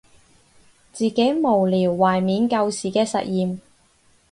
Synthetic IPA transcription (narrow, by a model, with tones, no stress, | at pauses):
t͡siː˨ke˨˥jmo˨˩wliː˨˩wːaː˨˩jmiː˨˧nkɐ˧wsiː˨˩kɛː˧sɐ˨t̚jiː˨m